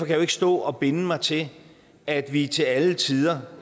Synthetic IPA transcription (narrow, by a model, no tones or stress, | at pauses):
ɒ̽kʰæjueɡ̥ə̥sd̥ɔ̰̽ːɒ̽b̥e̝nəmɑ̈ɪt͡sʰe̝ | æd̥ʋit͡sʰe̝lælət͡sʰið̞ˠɐ